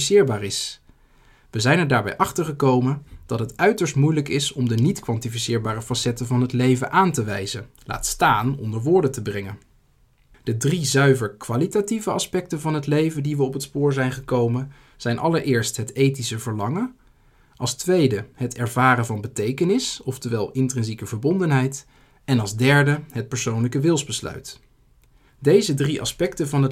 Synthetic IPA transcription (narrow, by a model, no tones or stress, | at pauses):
sɪːɹbaːrɪs | ʋəzɛjnɛɹdaːɹbɛ̰jʔɑχtəɹχəkowmənd̥ɑtɦətœɥtəɹstmujləkɪsɔmdənitkʋɑntifisɪːɹbaːrəfɑsɛtəvɑnɦətlejvənʔaːntəʋɛjzə | la̰ːtstaːnɔ̰ndəɹʋʊːɹdətəbrɛŋən | d̥ədrizœɥvəɹkʋalitativəɑspɛk̚təvɑnɦətlejvəndiʋəɔpətspʊːɹzɛjnχəkowmən | z̥ɛjnʔɑ̰ləɹʔɪːɹstɦətejtisəvəɹlɑŋən | ʔɑlˠstʋejdəɦətɛɹvaːɾənvɑnbətejkənɪsɔftəʋɛlˠɪntrɪnzikəvəɹbɔndənɦɛjt | ɛnɑlˠzdɛɹdəɦət̚pəɹsownləkəʋɪlˠzbəslœ̰ɥt | dejzədriʔɑ̰spɛktəvɑnɦət